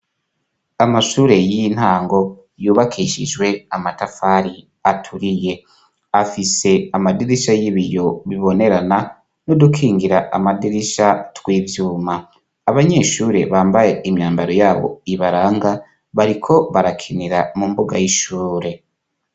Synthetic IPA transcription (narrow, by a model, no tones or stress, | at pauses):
amaʃuːɾe̞jin̥haːŋɡo̞ | juːβakʰiʃid͡ʒwe̞amatafaɾi | atʰuɾije̞ | afise̞amadiɾiʃajiβijo̞βiβo̞ne̞ɾana | nodukʰiːŋɡiɾaʔamadiɾiʃatwiːvjuːmaː | βaɲe̞ːʃuːɾe̞βaːmbaje̞imɲaːmbaɾo̞jaːβo̰iβaɾaːŋɡa | βaɾikʰo̞βaɾakʰiniɾamumbuɡajiʃuːɾe̞